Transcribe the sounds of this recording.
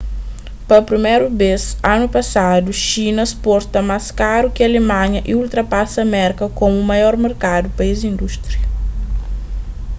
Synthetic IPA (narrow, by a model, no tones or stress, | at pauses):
pɐpɾimeɾubesãnupɐsad̪uʃinɐspɔɾt̪ɐmaskaɾukɪɐlemãɲɐʔiult̪ɾɐpasɐmɛɾkɐkomumɐjɔɾmeɾkad̪upɐizĩnd̪uʃt̪ɾiɐ